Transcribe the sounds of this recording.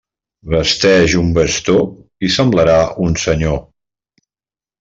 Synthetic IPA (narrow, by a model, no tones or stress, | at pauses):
βəst̪ɛʒumbəst̪o | isəmbləɾaunsəɲo